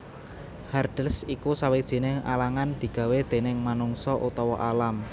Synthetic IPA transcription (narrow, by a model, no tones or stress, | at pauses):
hard̥əsikusawed̥ʒ̥i̤nɪŋa̰laŋand̪̥i̤ɡ̥ä̤wed̪̥e̤nɪŋmanuŋsɔʔut̪ɔwɔʔalam